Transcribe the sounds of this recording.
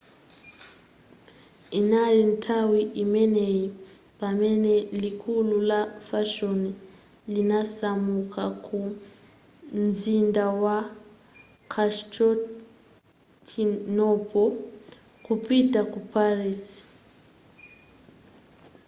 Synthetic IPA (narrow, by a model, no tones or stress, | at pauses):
inalintʰawiʔimɛneji | pamɛnɛlikʰululafaʃoni | linasamukʰakʰu | nzindawa | kʰastɔ | tʰinɔpʰʼɔ | kupʼitʼakupʰariːsi̥